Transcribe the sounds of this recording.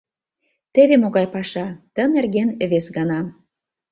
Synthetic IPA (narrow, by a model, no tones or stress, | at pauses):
t̪ĕβemoɣɑjpɑʃɑt̪ə̆nerɣenə̆βesɡɑnɑ